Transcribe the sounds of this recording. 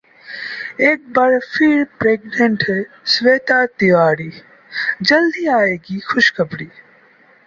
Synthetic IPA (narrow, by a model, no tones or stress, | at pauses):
eːk̚bəɾfʰiːɾpɾeːɡnẽɳʈɦɛː | sʋeːt̪aːt̪ɪʋaːɾiː | d͡ʒəld̪iːaːeːɡiːxʊʃkəpɽiː